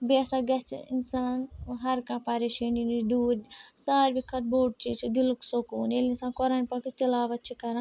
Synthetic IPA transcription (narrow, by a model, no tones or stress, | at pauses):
besaɡɐt͡ʃʰḭnsaːnɦɐɾkãpaɾeʃininid̪uːɾsaːɾbikʰɐt̪̚boːʈ̚t͡ʃit͡ʃʰid̪iluksokonelinsaːnkɔɾanʲpɐkit͡ʃt̪ilaːʋɐtt͡ʃʰikɐɾan